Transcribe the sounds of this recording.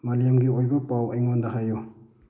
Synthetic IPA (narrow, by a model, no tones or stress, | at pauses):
malijamɡiojbɐpawɐjŋɔndaɦajɔ